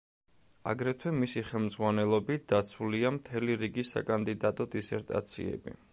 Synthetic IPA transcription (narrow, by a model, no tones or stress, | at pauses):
a̰ɡɾɛt̪ʰwɛmisiχɛlˠmd̪zʁwanɛlˠɔbit̪̚d̪̥at̪sʰuliamt̪ʰɛliɾiɡisa̰kʼand̪id̪at̪ʼɔd̪isɛɾt̪ʼa̰t̪sʰḭɛ̰bḭ